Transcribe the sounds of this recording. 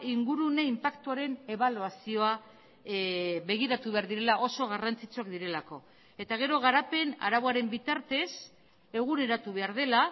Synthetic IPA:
iŋɡuɾuneimpakt̪uaɾe̞ne̞βaluasio̞a | βe̞ɣ̞iɾat̪uβe̞aɾðiɾe̞laʔo̞so̞ɣ̞arant͡sit͡suak̚d̪iɾe̞lako̞ | e̞t̪aɣ̞e̞ɾo̞ɣ̞aɾape̞na̰ɾaβoaɾe̞mbit̪aɾt̪e̞s | e̞ɣ̞une̞ɾat̪uβe̞aɾð̞e̞la

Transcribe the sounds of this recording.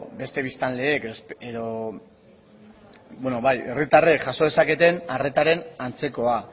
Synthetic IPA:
be̞st̪e̞β̞ist̪anle̞ːkeoeðo | bwenoβaje̞rit̪arekʝaso̞ð̞e̞sake̞t̪e̞nare̞t̪aɾe̞nant͡se̞ko̞a

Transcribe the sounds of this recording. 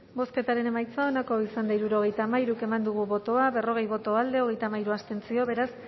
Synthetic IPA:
bo̞ske̞t̪aɾe̞ne̞majt͡sao̞nako̞isand̪aiɾuɾo̞ɣ̞e̞jt̪aːmaiɾuke̞mand̪uɣ̞uβo̞t̪o̞aβe̞ro̞ɣ̞e̞jβo̞t̪o̞ald̪e̞o̞ɣ̞e̞jt̪amajɾuast̪e̞nt͡sio̞βe̞ɾas

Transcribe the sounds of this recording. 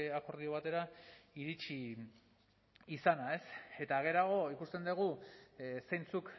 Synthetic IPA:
ako̞ɾð̞io̞β̞at̪e̞ɾaiɾit͡ʃi | sanae̞se̞t̪aɣ̞e̞ɾaɣ̞o̞ikust̪e̞nd̪eɣ̞u | sejnt͡suk

